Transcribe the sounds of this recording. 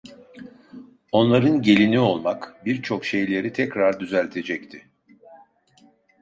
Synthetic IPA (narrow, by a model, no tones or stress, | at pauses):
o̞nlˠaɾɯnɟe̞lʲinio̞lˠmakbiɾt͡ʃʰo̞kʃe̞jlʲe̞ɾit̪ʰɛcɾaɾd̪yzælʲt̪ʰe̞d͡ʒɛct̪ʰɪ